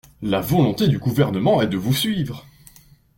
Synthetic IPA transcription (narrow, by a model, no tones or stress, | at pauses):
lavɔlɔ̃t̪ed̪yɡuvɛʁnəmɑ̃ɛd̪əvusɥiːvʁə